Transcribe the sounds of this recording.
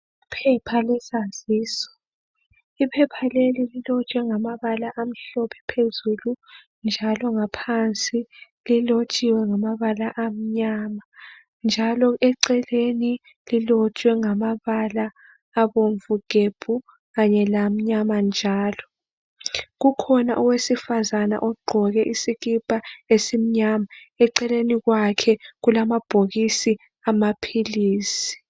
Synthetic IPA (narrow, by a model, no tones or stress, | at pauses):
pʰɛpʰalɛsaz̥iːsɔ̥ | ipʰɛpʰalelililɔt͡ʃʼwɛŋamaβalaʔam̩ɬɔpʰɛ̥pʰezulu | nd͡ʒʱalɔŋapʰant͡sʼi | lilot͡ʃʼiwɛŋamaβalaʔam̩ɲama | nd͡ʒʱalɔʔɛǀɛleni | lilɔt͡ʃʼwɛŋamaβalaː | βoɱvuɡ̥ʱeb̥ʱu | ɣaɲɛlam̩ɲamand͡ʒʱaːlɔ | ɣukʰɔnaʔɔwesifazana̰ʔɔɡ͡ǃʱɔɣɛʔisiɣipʼaesim̩ɲamaɛǀɛleniɣwakʰɛɣulamab̥ʱoɣisi | amapʰiliːsi̥